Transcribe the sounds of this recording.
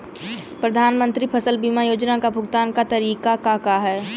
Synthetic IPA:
pɾɐd̪ʱaːnmə̃nt̪ɾipʰɐsəlbiːmajoːd͡ʒnakabʱʊɡt̪aːnkat̪ɐɾiːkakakaɦɛː

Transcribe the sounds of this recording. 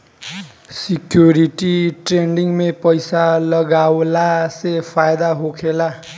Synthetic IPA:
sikjoɾiʈiʈreɳɖiŋmepʌjsalʌɡawlasepʰajd̪aɦokʰela

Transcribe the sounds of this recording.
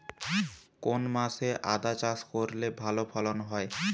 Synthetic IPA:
konmaseʔa̰d̪at͡ɕaʃkoɾlebʱalopʰalonɦɔe

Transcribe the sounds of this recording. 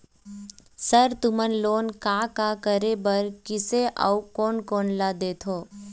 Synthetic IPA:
səɾt̪ʊmənloːnkaːkakəɾebəɾkɪseʔa̰ukoːnkoːnlaːd̪eːt̪ʰoː

